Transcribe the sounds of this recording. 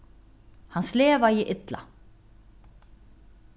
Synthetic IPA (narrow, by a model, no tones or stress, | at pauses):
hansleːvaiʔɪt̪la̰